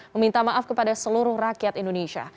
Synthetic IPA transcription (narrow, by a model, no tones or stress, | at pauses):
məmint̪amaʔafkəpadasəluɾʊhrakiat̪indoneʃia̰